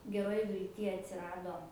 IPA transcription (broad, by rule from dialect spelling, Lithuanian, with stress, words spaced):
ɡʲɛˈroːj ʋʲɪlʲˈtʲiː ɐtʲsʲɪˈrɑːdoː